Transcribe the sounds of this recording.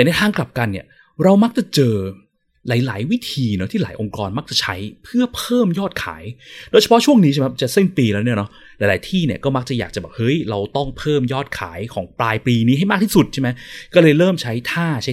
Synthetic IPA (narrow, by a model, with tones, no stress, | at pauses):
nɛ˥˩t̪ʰaː˥˩ŋkla˨˩p̚ka˧nːi˥˩ɐ | ɾa˧wma˦˥k̚t͡ɕa˨˩t͡ɕɤː˧ | laː˩˦jlaː˩˦jwi˦˥t̪ʰiː˧nɔ˦˥t̪ʰiː˥˩laː˩˦jʔo˧ŋkɔː˧nma˦˥k̚t͡ɕa˨˩t͡ɕʰa˦˥jpʰɯ˥˩ɐpʰɤː˥˩mjɔː˥˩t̪̚kʰa̰ː˩˦jdoː˧˩jt͡ɕʰpʰɔ˦˥t͡ɕʰu˥˩əŋniː˧˦˥a˥˩mʰ˧˦˥p̚t͡ɕa˨˩si˥˩npiː˧lɛː˦˥wni˥˩nɔ˦˥ | laː˨˧˦laː˨˩˦jt̪ʰiː˥˩ni˧˩kɔː˥˩ma˦˥k̚t͡ɕa˨˩jaː˨˩k̚t͡ɕa˨˩bɔː˨˩p̚hɤ˦˥jɾa˧wt̪ɔ˥˩ŋpʰɤː˥˩mjɔː˥˩t̪̚kʰa̰ː˩˦jkʰɔː˩˦ŋplaː˧jpliː˧niː˦˥a˥˩jmaː˥˩t̪ʰiː˥˩su˨˩t̪̚t͡ɕʰa˥˩ma˦˥jkɔː˥˩lɤː˧jɾɤː˥˩mt͡ɕʰa˦˥jt̪ʰaː˥˩t͡ɕʰa˦˥